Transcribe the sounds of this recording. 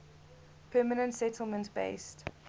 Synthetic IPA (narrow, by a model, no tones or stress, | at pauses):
pʰɜːmənə̃ntsɛtʰl̩ˠmə̃ntb̥ḛɪst